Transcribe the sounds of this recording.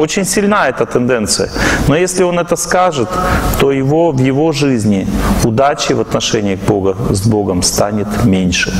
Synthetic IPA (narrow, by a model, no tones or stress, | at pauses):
o̞t͡ɕɪnʲsʲɪlʲnaɛt̪ət̪ɨnd̪ɛnt̪sɨjə̰nojesʲlʲɪo̞nɛt̪əskaʐɨt̪ːo̞jɪvovjɪvo̞ʐɨzʲnʲɪʊd̪at͡ɕɪvɐt̪nɐʂɛnʲɪiɣboɡəzbo̞ɡəmst̪anʲɪt̪mʲenʲʂɨ